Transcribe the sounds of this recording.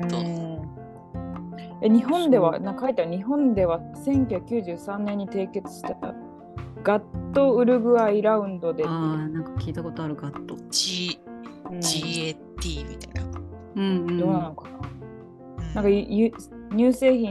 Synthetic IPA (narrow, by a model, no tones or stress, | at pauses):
ɯ̃ | jaɲ̟iɦõ̞nd̪e̞βanãŋkkait̪ːaɾɲ̟iɦõ̞nd̪e̞βasẽ̞ŋkʲohjakɯ̟kʲɨːʑɨːsãnːẽɲ̟ːit̪e̞ːke̞t͡sɨ̥ɕi̥t̪at̪a̰ | ɡat̪ːo̞ɯ̟ɾɯ̟ɡɯ̟aiɾaɯ̟̃nd̪o̞d̪enãŋkḁkʲiːt̪ako̞t̪o̞aɾɯ̟ɡat̪ːot͡ɕi | ɯ̟̃d͡ʑie | t̪ʲiːmʲit̪ajna | ɯ̟̃d̪o̞ːnanokḁna | nãŋkajj | ɲ̟ɨːse̞ːçĩ